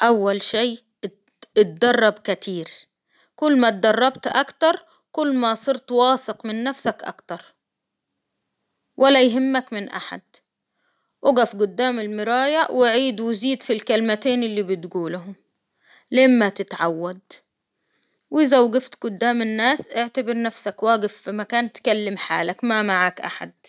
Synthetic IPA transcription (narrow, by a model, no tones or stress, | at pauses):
ʔawːalʃeː | ɪt̪̚d̪ɑrˤːɑbkɪt̪iːɾ | kʊlːmat̪̚d̪ɑrˤːɑbt̪ʔa̰kt̪ɑɾˤ | kʊlːmasˤɨɾt̪wɑːsɪqmɪnːafsakʔɑ̰kt̪ɑɾˤ | wʔalajɦɪmːakmɪnʔa̰ħa̰d̪̥ | ʔʊɡafɡʊd̪ːaːmɪlmɪɾɑːjawɪʕiːd̪wɪziːd̪filkalmat̪eːnɪlːiːbɪt̪ɡuːlʊɦʊm | lamːat̪ɪt̪ʕawːad̪ | wɪzawɡɪft̪ɡʊd̪ːaːmɪnːaːsʔɪʕt̪abɪɾnafsakwaːɡɪfːimakaːnt̪kalːɪmħa̰ːlakmamaʕaːkʔa̰ħa̰d̪̚